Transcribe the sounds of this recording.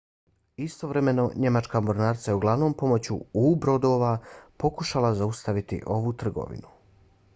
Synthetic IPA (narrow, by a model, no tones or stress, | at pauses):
ist̪o̞ʋɾe̞me̞no̞ɲe̞mat͡ʃkamoɾnaːɾt̪sajeuɡlˠaʋno̞ːmpo̞mot͡ɕṵubɾo̞d̪o̞ʋapo̞kuʃalazaust̪aʋit̪ḭʔo̞ʋut̪r̩ɡo̰ʋḭnu